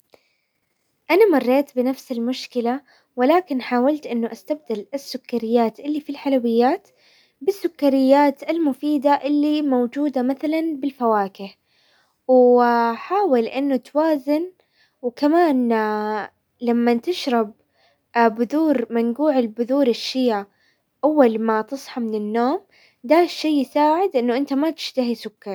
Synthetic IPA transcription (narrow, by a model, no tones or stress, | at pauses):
ʔanamɑrˤːeːt̪bɪnafsɪlmʊʃkɪla | wɪlaːkɪnħaːwalt̪ʔɪnːʊʔast̪ab̚d̪alɪsːʊkːaɾɪjːaːt̪ʔɪlːifilħalawɪjːaːt̪ | bɪsːʊkːaɾɪjːaːt̪ɪlmʊfiːd̪aʔɪlːimowd͡ʒuːd̪amaθalanbɪlfawaːkɪh | wħaːwalʔɪnːʊt̪waːzɪn | wkamaːn | lamːant̪ɪʃɾˤɑb̚ | bʊðuːɾmanɡuːʕɪlbʊðuːɾɪʃːɪja | ʔawːalmat̪ɨsˤħɑmɪnɪnːoːm | d̪aːʃːeːjɪsaːʕɪd̪ʔɪnːʊʔɪnt̪amat̪ɪ̥ʃt̪aɦisʊkːɑɾˤ